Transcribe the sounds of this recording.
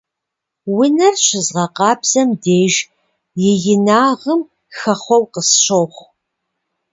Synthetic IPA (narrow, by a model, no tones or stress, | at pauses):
wɪnɐrɕɪzʁɐqɑːbz̥ɐmdeːʒ | jɪjɪnaːʁəm | xɐχʷɔwqəsɕoχʷ